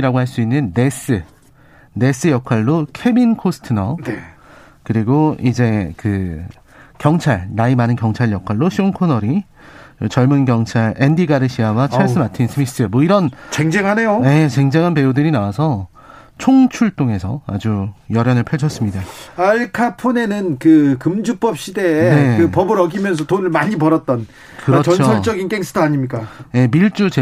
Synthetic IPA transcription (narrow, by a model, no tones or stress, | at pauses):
iɾaɡoɦaɭs͈uinːɯnːe̞s͈ɯ | ne̞s͈ɯjʌkʰwaɭːokʰe̞binkʰosʰɯ̥tʰɯnʌne | kɯɾiɡoid͡ʑe̞kɯ | kjʌŋt͡ɕʰaɭnaimanɯnkjʌŋt͡ɕʰaɭjʌkʰwaɭːoɕʰionkʰonʌɾi | t͡ɕʌɭmunɡjʌŋt͡ɕʰaɭendiɡaɾɯɕʰiawat͡ɕʰaɭs͈ɯmatʰinsʰɯmis͈ɯmwʌiɾʌnt͡ɕeŋd͡ʑeŋɦane̞joje̞t͡ɕe̞ŋd͡ʑeŋɦanpe̞udɯɾinawasʰʌ | t͡ɕʰoŋt͡ɕʰuɭtʰoŋe̞sʰʌa̰d͡ʑujʌɾjʌnɯɭpʰed͡ʑʰʌs͈ɯmɲidaaɭkʰapʰone̞nɯnkɯkɯmd͡ʑup͈ʌp̚ɕ͈ide̞ne̞kɯpʌbɯɾʌɡimjʌns̬ʰʌtonɯɭmaɲipʌɾʌt̚t͈ʌn | kɯɾʌt͡ɕʌnosʰʌɭt͡ɕ͈ʌɡink͈eŋsʰɯ̥tʰʌaɲimɲik͈aje̞miɭt͡ɕ͈ut͡ɕe